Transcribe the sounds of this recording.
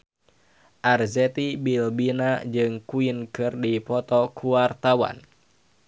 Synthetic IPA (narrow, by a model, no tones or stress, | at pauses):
ʔarzɛt̪ibilbinad͡ʒɨŋkuinkɨrdipɔt̪ɔkʰuart̪awa̰n